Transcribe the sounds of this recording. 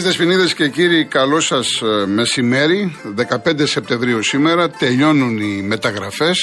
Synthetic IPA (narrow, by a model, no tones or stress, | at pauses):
st̪espiniðesce̞ciɾikɐlo̞sɐsme̞sime̞ɾiðe̞kɐpe̞nd̪ese̞p̚t̪e̞ɱvɾiusime̞ɾɐt̪e̞ʎo̞nunime̞t̪ɐɣɾɐfe̞s